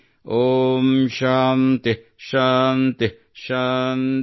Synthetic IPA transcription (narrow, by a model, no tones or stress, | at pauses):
omʃant̪eʃant̪e | ʃan